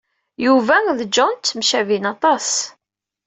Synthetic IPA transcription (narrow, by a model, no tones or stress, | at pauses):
juvæðd͡ʒɔnt͡s̪ːmʃævinɑt̪ˤɑs